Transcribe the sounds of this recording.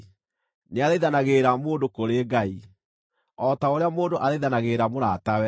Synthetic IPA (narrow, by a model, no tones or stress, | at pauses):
neaðeiðanaɣeːɾamoːndokoɾeːɡai | ɔtaoɾeamoːndoʔaðeiðanaɣeɾamoɾatawɛ